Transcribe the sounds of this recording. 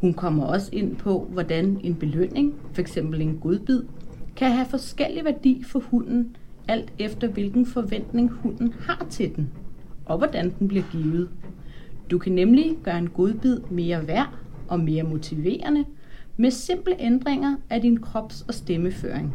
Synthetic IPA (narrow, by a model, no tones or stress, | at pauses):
hunkʰɒ̽m̰ɐɒ̽səe̝n̰pʰɒ̽ʋɒd̥æne̝nb̥e̝løn̰e̝ŋfɒ̽eɡ̥sem̰b̥l̩e̝nɡ̥o̝ð̞ˠb̥ið̞̰ˠkʰæɦæfɒ̽sɡ̥el̰iʋæɐd̥ḭːfɒ̽hun̰n̩ | æl̰d̥efd̥ɐʋe̝lɡ̥n̩fɒ̽ʋen̰d̥ne̝ŋhun̰n̩hɑ̈t͡sʰe̝ld̥en̩ʔɒ̽ʋɒd̥ænd̥n̩b̥liɐɡ̥iːʊð̞̩ˠ | d̥ukʰænemliɡ̥ɶːɐe̝nɡ̥o̝ð̞ˠb̥ið̞̰ˠme̝ːɐʋæɐ̰ʔɒ̽me̝ːɐmo̝t͡sʰiʋe̝̰ːɐnə | mese̝m̰b̥ləʔend̥ʁeŋɐædinkʰʁɒ̽b̥sɒ̽sd̥eməfø̰ːɐ̰eŋ